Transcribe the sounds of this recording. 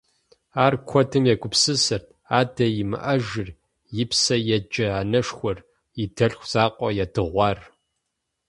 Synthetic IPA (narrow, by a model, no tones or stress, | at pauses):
aːrkʷʰɔdɨmjɛɡʷʼʊpsɨsɐrtʰ | aːdɐjɪmɨ̰ʔɐʒɪr | jɪpsɐjɛd͡ʒʼɐaːnɐʂxʷɔr | ɪdɐɬxʷz̥aːqʷʼɔjɛdɨʁʷɑːr